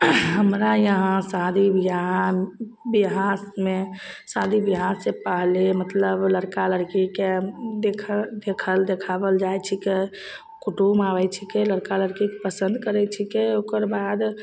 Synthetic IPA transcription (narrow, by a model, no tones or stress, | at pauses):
ɦəmɾajəɦãsad̪ʱibiɦa | biɦasmesad̪ʱibiɦasepəɦlemət̪ləbləɾkaləɾkiked̪ekʰd̪ekʰəld̪ekʰabəld͡ʒajt͡ʃʰike | kuʈumaʋɛt͡ʃʰikeləɾkaləɾkikepəsənd̪ʱkəɾɛt͡ʃʰikeokəɾbad̪